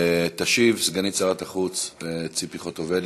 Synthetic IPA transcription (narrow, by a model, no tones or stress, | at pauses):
t̪aʃivsɡanit͡saʁat̪aχut͡st͡sipiχot̪ovel